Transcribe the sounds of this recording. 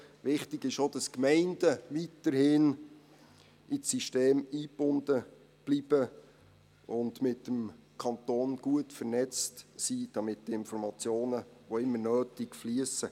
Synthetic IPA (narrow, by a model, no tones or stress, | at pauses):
ʋɪχtɪɡɪʃod̥ɑskmɛɪnd̥əʋitəɾhɪn | ʔisiʃteːmiːb̥ʊnd̥ə | b̥lib̥ə | ʔʊndmɪtːəmkʰɑnt̪oːnɡ̥uətfəɾnɛt͡stsid̥ɑmɪt̚d̥iɪnfɔɾmɑt͡sjoːnəʋoɪmːənøːtɪkfliəsə